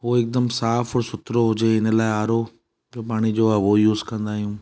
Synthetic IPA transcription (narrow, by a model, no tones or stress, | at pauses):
ʋoːɪk̚d̪əmsaːfʰɔɾsʊt̪ɾoɦʊd͡ʑeɪnelaːeaːɾoː | d͡ʒoːp̬aːɽ̃id͡ʑoːɛːʋoːjuːzkɐ̃nd̪aːɦijũː